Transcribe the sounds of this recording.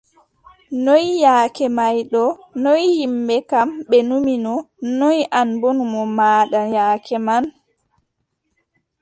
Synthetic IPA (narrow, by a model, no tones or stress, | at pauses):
nojjaːkɛmajɗɔnojhimbɛkamɓɛnuminɔnojʔanbonmɔmaːɗajaːkʰɛman